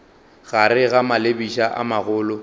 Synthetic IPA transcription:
ɣaɾɪɣamalebiʃaʔa̰maɣʊːlʊ

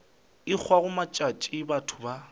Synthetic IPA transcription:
ɪk͡xʰwaɣʊmat͡ʃʼat͡ʃʼɪbatʰʊba

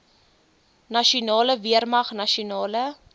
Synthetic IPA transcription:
nɐʃiunɑːləviərmɐχnɐʃiunɑːlə

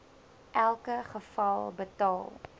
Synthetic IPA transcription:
ʔælˠkəχəfɐlˠbətɑːlˠ

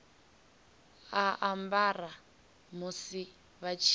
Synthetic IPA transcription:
aʔambara | musi | βat͡ʃʰ

